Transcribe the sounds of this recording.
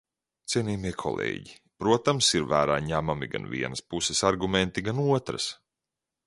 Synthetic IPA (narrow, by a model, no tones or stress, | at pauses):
t̪siɛniːmiɛkʰɔ̰lˠḛːɟi | pɾuɔt̪amsiɾvæːɾa̰ːɲæmamḭɡa̰nvḭɛnəspusɛsaɾɡumʲent̪iɡanuɔt̪ɾɐ̰s